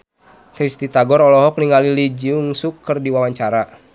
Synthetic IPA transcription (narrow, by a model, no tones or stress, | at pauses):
t̪ɾist̪it̪aɡɔɾɔlɔɦɔk̚niŋalilid͡ʒiuŋsukːɨrdiwawaɲt͡ʃaɾa